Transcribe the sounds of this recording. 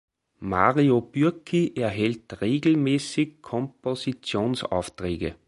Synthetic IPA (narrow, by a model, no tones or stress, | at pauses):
ma̰ʁiob̥yɐkʰiʔɛɐɦɛltʁeːɡl̩mɛːsɪkkʰːɔmposit͡sjoːnsa̰ʊftʁeːɡə̰